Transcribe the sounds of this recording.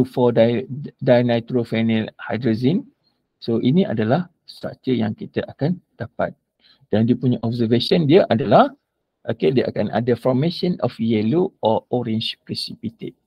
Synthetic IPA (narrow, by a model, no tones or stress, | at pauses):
ufɔdadajnajt̪ɾofanɛlhajdɾozin | soʔinĩʔa̰dalah | sa̰t̪əjaŋkit̪əʔakand̥apa̰t̪̚ | d̥andiəpuɲaʔɔbsəveʃəndiəʔadalah | ʔokediəʔa̰kana̰dəfɔrmeʃə̃nɔ̰fjɛloɔɔɾɛ̃ɲt͡ʃpɾɛsipit̪ḛd̚